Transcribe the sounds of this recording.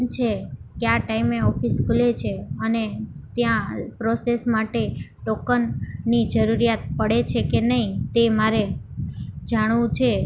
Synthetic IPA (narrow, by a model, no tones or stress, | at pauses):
t͡ʃʰekjaʈaimeɔfiskʰulet͡ʃʰeənet̪jãpɾosesmaʈeʈɔkənːid͡ʒəɾuɾijat̪̚pəɽet͡ʃʰekenəit̪emaɾe | d͡ʒaɽ̃ʋũt͡ʃʰe